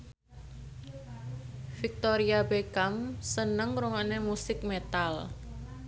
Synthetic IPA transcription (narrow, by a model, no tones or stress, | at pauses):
fik̚t̪oɾiabekamsənəŋɾuŋɔʔnemusɪk̚met̪al